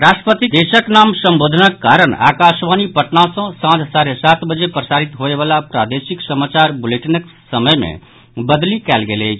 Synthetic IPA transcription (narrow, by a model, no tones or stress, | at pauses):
ɾaːsʈɾəpət̪id̪eːʃəknaːmsə̃mboːd̪ʱənəkːaːɾəɳa̰ːkaːʃʋaːnipəʈnasɔ̃sãt̪ʰsaːɾesaːt̪bəd͡ʒepɾəsaːɾit̪ɦoeʋaːlapɾa̰ːd̪eʃiksəmaːt͡ʃaːɾbʊleʈənəksəməjmḛ̃ | bəd̪likɛːlɡele